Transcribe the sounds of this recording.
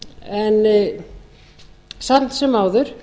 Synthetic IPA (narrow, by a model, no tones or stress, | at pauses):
ɛn | sant̪sɛmaːwðʏɾ̥